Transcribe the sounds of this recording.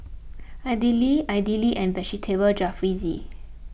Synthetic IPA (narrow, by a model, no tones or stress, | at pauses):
ajdiliaɪdiliʔɛ̃nbɛʃitʰebəld͡ʒafɹizi